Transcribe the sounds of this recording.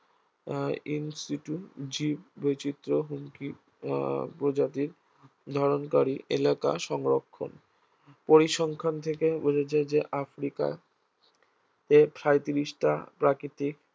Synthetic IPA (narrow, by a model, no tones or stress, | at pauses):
insiʈud͡ʑipbojt͡ɕit̪ːɾoɦuŋki | pɾod͡ʑat̪iɾ | d̪ʱɔɾonkaɾiʔḛlaka̰ʃɔŋɾokʰːo̰n | poɾiʃɔŋkʰant̪ʰekebod͡ʑet͡ɕʰed͡ʑeʔafɾika̰ | t̪epɾajt̪iɾiʃʈa̰pɾakɾit̪ik